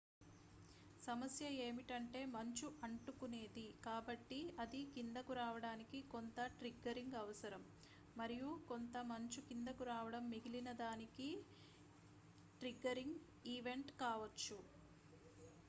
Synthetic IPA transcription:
sɐmɐsjɐe̞ːmiʈɐɳʈe̞ːmɐɲt͡ʃuʔɐɳʈukune̞ːd̪ikaːbɐʈːiɐd̪ikind̪ɐkuɾaːʋɐɽaːnikiko̞nt̪ɐʈɾiɡɐɾiŋɡɐʋɐsɐɾɐmː | ɐɾijuko̞nt̪ɐmɐɲt͡ʃukind̪ɐkuɾaːʋɐɽɐmːiɡilinɐd̪aːniki | ʈɾiɡɐɾiŋɡ | iːʋe̞ɳʈkaːʋɐt͡ʃːu

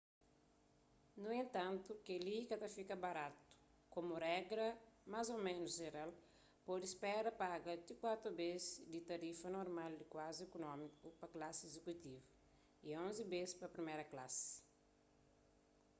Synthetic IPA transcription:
nuẽnt̪ɐ̃nt̪ukelikɐt̪ɐfikɐbaɾat̪u̥ | komurɛɡɾɐmazomẽnʊzʒeɾal | pod̪ispɛɾɐpaɡɐt̪ikwat̪ɾubezd̪it̪ɐɾifɐnoɾmald̪ikwaziekunɔ̃mikupɐklasezekut̪ivɐ | iõnzibespɐpɾimeɾɐklasɪ̥

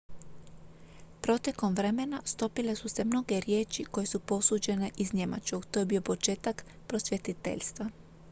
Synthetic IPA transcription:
pɾo̞t̪e̞ko̞mʋɾe̞me̞nast̪o̞pile̞suse̞mno̞ɡe̞ɾjeːt͡ʃiko̞je̞supo̞suːd͡ʒe̞ne̞ʔizɲe̞mʔa̰t͡ʃko̞ɡt̪o̞ːjebiːo̞po̞t͡ʃe̞ːt̪ak | pɾo̞sʋje̞t̪it̪ḛʎʲst̪ʋa

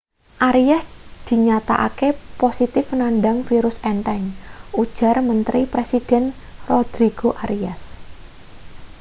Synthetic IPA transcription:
ʔaɾiasd̪̥i̤ɲat̪a̰ʔa̰keposit̪ɪfnanɖaŋfiɾʊsɛnt̪ɛnud̥ʒ̥a̤rmənt̪ɾipɾesid̥ɛ̤n | rod̪̥ɾiɡ̥oʔaɾias

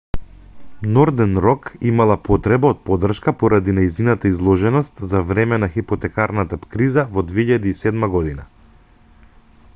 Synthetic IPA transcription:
nɔɾd̪ɛnɾɔkimalˠapɔt̪ɾɛbaot̪̚pɔd̪r̩ʃkapɔɾad̪inajzinat̪aizlˠɔʒɛnɔst̪zavɾɛmɛnaxipɔt̪ɛkaɾnat̪apkɾizavɔd̪vɛiʎad̪iːsɛd̪maɡɔd̪ina

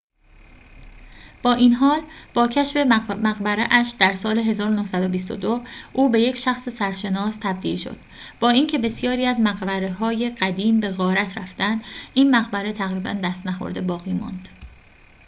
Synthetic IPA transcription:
b̥ɒːʔiːnɦɒːlb̥ɒːcʰæʃfe̞mæɣbæɾeʔæʃd̪æɾsɒːleɦe̞zɒːɾonohsæd̪obist̪o̰d̪oʔuːbe̞je̞cʃæxsesæɾʃe̞nɒːst̪ʰæbd̪iːlʃo̰d̪̥ | b̥ɒːiːncʰe̞be̞sjɒːɾiːæzmæɣbæɾeɦɒːje̞ɢ̥æd̪iːmbe̞ɣɒːɾæt̪ʰɾæft̪ænd̪ʔiːnmæɣbæɾe̞t̪ʰæɣɾiːbæ̰nd̪æst̪næxo̰ɾd̪e̞bɒːɣiːmɒ̰nd̪̥

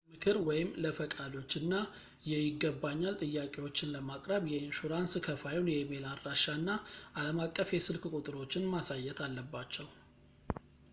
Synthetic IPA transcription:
mɨkʰɨɾwɔjɪmləfəkʼad̪o̞t͡ʃːɨnːa | jɛjɪɡːəbːaɲːalt̪ʼɨjːakʼewo̞t͡ʃːɪnləmakʼɾəβjɛɪnʃuɾanskʰəfajwnjɛmelaɾːaʃanːaʔaləmakʼːəfjɛsɨlkkʼut̪ʼɨɾo̞t͡ʃːɪnmasajːɛt̪ʰalːəbːat͡ʃːɛw

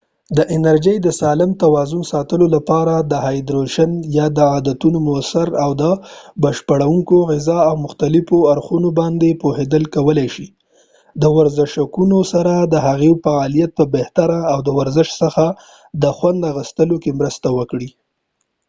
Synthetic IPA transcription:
d̪əʔɪnaɾd͡ʒəjd̪əsɑlɪmt̪awɑzʊnsɑt̪əlolapɑɾad̪əɦajd̪ɾoʃanjɑd̪əɑd̪at̪unomosaɾawd̪əbəʃpaɽawuŋkoɣɪzɑawmʊxt̪alɪfoaɾxunobɑnd̪epohed̪əlkawəlajʃi | d̪əwaɾzɪʃakunosaɾad̪əɦaɣefaɑlijat̪̚pəbeht̪aɾaːwd̪əwaɾzɪʃsəxa | d̪əxwand̪aɣəst̪əlokemɾəst̪awəkɽi

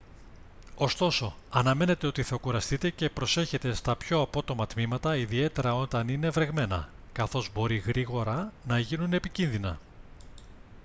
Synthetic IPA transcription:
o̞st̪o̞so̞ | ɐnɐme̞ne̞t̪e̞o̞t̪iθɐkuɾɐst̪it̪e̞ce̞pɾo̞se̞çe̞t̪e̞st̪ɐpço̞ɐpo̞t̪o̞mɐt̪mimɐt̪ɐiðie̞t̪e̞ɾɐo̞t̪ɐnine̞vɾe̞ɣme̞nɐ̰ | kɐθo̞zbo̞ɾiɣɾiɣo̞ɾɐnɐʝinune̞picinðinɐ

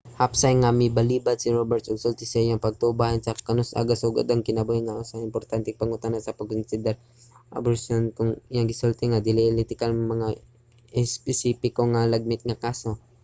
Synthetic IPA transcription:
hapsajŋamibɐliːbad̪̚siɾobɛɾt̪oɡsolt̪isajaŋpɐɡ̚t̪obahansɐkɐnosʔa̰ɡasuɡa̰d̪ɐŋkɪnɐbuhɪaʔosaɪmpoɾt̪ant̪ɪŋpɐŋʊt̪anasɐpɐɡ̚konsid̪ɛɾ | ʔa̰bosonkʊŋjaŋɡɪsult̪ɛŋad̪ɪliʔlit̪ɪkalmɐŋa | ɪspɛsipɪkoŋalɐɡ̚mɪt̪̚ŋakaːso̞

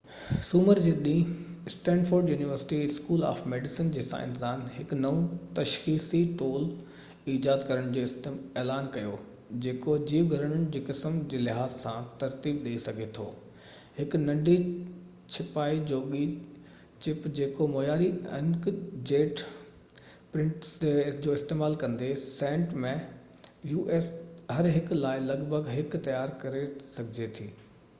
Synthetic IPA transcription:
suːməɾd͡ʑeːɗĩːsʈɛ̃ːnfoːɾɖjuːnɪʋəɾsɪ̥ʈiskuːla̰ːfmeːɖɪsɪnd͡ʑeːsã̰ɪ̰̃nt̪ɪzaːnɦɪkʊnɐũt̪ɐʃxiːsiʈoːl | iːd͡ʑaːd̪kɐɾəɽ̃d͡ʑoːɪst̪ɪmeːlaːnkɐjo | d͡ʑeːkod͡ʑiːʋɡʱɐɾəɽ̃ʊnd͡ʑeːkɪsəmd͡ʑeːlɪɦaːzsã̰t̪ɐɾt̪iːbɗeisɐɡʱet̪ʰo̰ː | hɪknɐ̃ɖʱi | t͡ɕʰɪpaːid͡ʑoːɠi | t͡ɕɪpd͡ʑeːkomoːjaːɾḭɪ̰̃nkd͡ʑeːʈ | pɾɪ̃ɳʈɪd͡ʑoːɪst̪eːmaːlkɐ̃nd̪esẽːɳʈmẽ | juːʔeːsɦɐɾɦɪklaːɪlɐɡbʱəɡɦɪkt̪ɐjaːɾkɐɾesɐɡʱɪd͡ʑet̪ʰḭː

